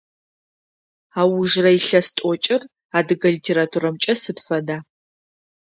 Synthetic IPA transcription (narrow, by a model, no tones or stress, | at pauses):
aːwʊʒrɐjɪɬɐstʼɔt͡ʃʼɪr | aːdɨɡɐlitʰeːɾaːtʰuɾɐmt͡ʃʼɐsɨtfɐdaː